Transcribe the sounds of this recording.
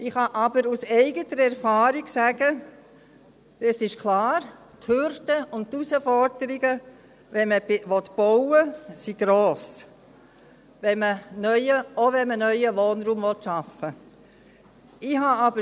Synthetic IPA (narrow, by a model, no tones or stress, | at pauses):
ɪχhɑʔɑbəɾusɛɪɡət̪əɾɛɾfɑːɾiɡsæɡ̥ə | ɛsɪʃkʰlɑːɾ | t̪høɾdəʊnttusəfɔɾdəɾiɡə | ʋɛnməʋɔt̪b̥ɔwəsiɡ̥ɾoːs | ʋɛmənœʏjəoʋɛnmənœʏəʋoːnɾuːmvɔtʃɑfə | ɪhɑɑbə